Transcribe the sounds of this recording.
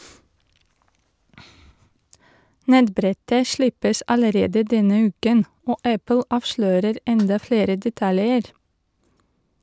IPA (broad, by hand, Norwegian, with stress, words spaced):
ˈnɛtˌbɾɛtə ˈʃlɪpəsʔ ɑləˈɾeːdə ˈdɛnə ˈʉːkən ˈoː ˈæpl̩ ˈɑːʋʃløːɾəɾ ˈɛndɑ ˈfɽeːɾə dɛˈtɑljəɾ